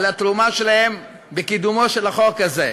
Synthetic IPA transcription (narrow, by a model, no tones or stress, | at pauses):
lat̪ɾumaʃelahe̞m | bekid̪umoʃelaχokaze